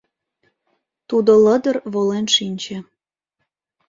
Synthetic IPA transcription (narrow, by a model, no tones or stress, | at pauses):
t̪ud̪oləd̪ərβolenʃinʲt͡ɕĕ